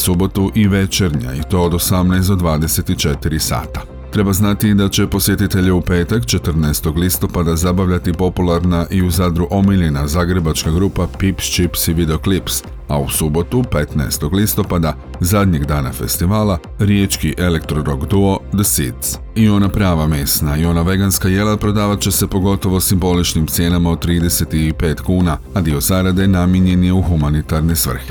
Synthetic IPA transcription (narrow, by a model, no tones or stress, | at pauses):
subo̞t̪uʔiʋe̞t͡ʃe̞ɾɲa̰it̪o̞ːd̪osamnajsd̪od̪ʋaːd̪e̞se̞t̪it͡ʃe̞t̪iɾisa̰ːt̪ḁ | t̪ɾe̞baznat̪id̪at͡ɕe̞po̞sje̞t̪it̪e̞ʎeupe̞ːt̪akt͡ʃe̞t̪ɾ̩naest̪o̞ɡlist̪o̞pad̪azabaʋʎat̪ipo̞pulˠaɾnaʔiuzaːd̪ɾuʔo̞miʎinazaːɡɾe̞bat͡ʃkaɡɾuːpapipst͡ʃipsiʋid̪eo̞klips | ausubo̞t̪upe̞t̪na̰est̪o̞ɡlist̪o̞pad̪a | zad̪ɲe̞ɡd̪aːna̰fe̞̰st̪iʋaːlˠa | ɾjet͡ʃkiʔe̞le̞kt̪ɾo̞ɾo̞ɡd̪uo̞d̪əsit̪s | io̞napɾaːʋameːsnaio̞naʋe̞ɡanskaje̞lapɾo̞d̪aːʋat͡ɕe̞se̞po̞ɡo̞t̪o̞ʋo̞simbo̞lit͡ʃnimt̪sje̞ːnamaod̪t̪ːɾiːd̪e̞se̞t̪ipe̞ːt̪kuːnaad̪io̞zaɾad̪enamjeɲe̞njeuxumanit̪aɾne̞sʋr̩xi̥